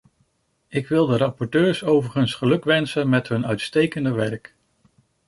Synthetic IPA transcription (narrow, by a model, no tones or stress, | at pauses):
ɪkʋɪlˠdərɑpɔɹtøːɹsowvəɹχənsχəlɵkʋɛnsənmɛtɦɵnœɥtstejkəndəʋɛɹk